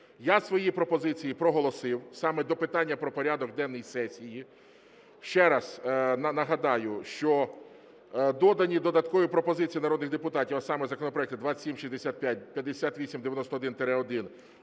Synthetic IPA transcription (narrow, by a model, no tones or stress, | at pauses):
jasʋɔjipɾɔpɔzɪt͡sʲijipɾɔɦɔlˠɔsɪwsɑmɛd̪ɔpɪt̪ɑnʲːɐpɾɔpɔɾʲad̪ɔɡd̪ɛnːɔjisɛsʲiji | ʃt͡ʃɛɾɐsnɐnɐɦɐd̪ɑjʊʃt͡ʃɔ | d̪ɔd̪ɐnʲid̪ɔd̪ɐt̪kɔʋipɾɔpɔzɪt͡sʲijinɐɾɔd̪nɪɣd̪epʊt̪ɑtʲiwɐsɑmɛzɐkɔnɔpɾɔɛk̚t̪ʊd̪ʋḁsʲimʃizʲd̪esʲat̪̚pʲjat̚ʲpʲjɐd̪ːesʲat̪ʋʲisʲimd̪eʋjɐnɔst̪ɔɔd̪ɪnt̪eɾɛɔd̪ɪn